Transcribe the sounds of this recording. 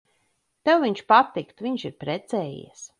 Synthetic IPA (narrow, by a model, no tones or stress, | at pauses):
t̪ɛwviɲʃpat̪ikt̪viɲʃiɾpɾɛt̪sɛːjḭs